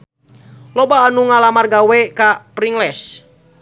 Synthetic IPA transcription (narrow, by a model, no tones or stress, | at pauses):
lɔbaːnuŋalamarɡawɛkapɾiŋlɛs